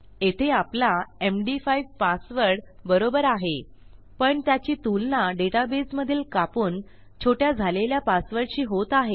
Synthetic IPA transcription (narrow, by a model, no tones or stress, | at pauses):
et̪ʰeaplaemɖifajʋpasʋəɾɽbəɾobəɾaɦe | pəɳt̪jat͡ɕiːt̪ulnaɖeʈabesməd̪ʱjelkapuːn | t͡ɕʰoʈjad͡zʱaleljapasʋəɾɽɕiːɦot̪aɦe